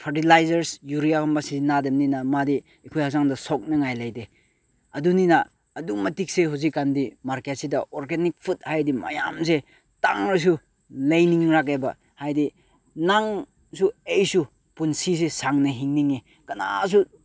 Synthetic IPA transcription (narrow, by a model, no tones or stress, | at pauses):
pʰaɾtilajzɐɾsjuɾiakʰambasinademninamadiː | kʰujhak̚zaŋdɐsɔk̚nɐŋajlajde | ɐduninaː | dumɐtik̚sehuzikːandimaɾkesidɐʔɔɾɡenik̚pʰut̚hajdima̰ja̰mse | ta̰ŋɾis̬u | lejniŋɾakeba | hajdi | naŋ | suejsu | punsisesaŋnɐɦiŋniŋi | kɐna̰s̬u